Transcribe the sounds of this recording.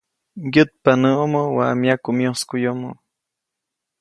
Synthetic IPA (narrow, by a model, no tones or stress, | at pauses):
jət̪̚panəomowamjakumjoskujomo